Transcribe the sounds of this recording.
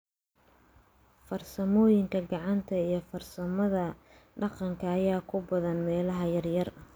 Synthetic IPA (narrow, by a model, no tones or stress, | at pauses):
fɐrsɐmɔːjɪŋkʰɐɡɑʕɑnt̪ʰɐijɞfɐrsɐmɐðɐ | ɖɑqɑŋkʰɐːjaːkʰʊbɐðɐnmɛːlɐɦɐjɐrjɐrɐ